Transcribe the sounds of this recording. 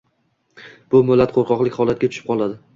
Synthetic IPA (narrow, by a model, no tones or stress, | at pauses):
b̥ʊmɪlːat̪qʰoɾqɒqlɪkʲhɒlˠat̪̚ɡʲat͡ʃ̪ʰʊ̥ʃɪ̥pqʰɒlˠad̪ɪ